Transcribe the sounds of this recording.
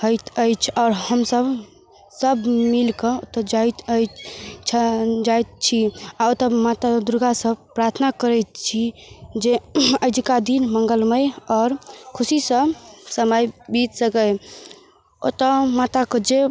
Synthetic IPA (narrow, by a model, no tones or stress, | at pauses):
həjt̪əjt͡ʃʰɔʊɾhəmsəb | səbmilkəot̪əd͡ʒajt̪əjt͡ʃʰd͡ʒajt̪̚t͡ʃʰiaot̪əmat̪ad̪uɾɡasəbpɾaɾt̪ʰnakəɾɛt̪t͡ʃʰid͡ʒeəjd̪ikad̪inməŋɡəlməjɔːɾkʰusisə̃səməjbit̪səkəj | o̰t̪əmat̪akəd͡ʒe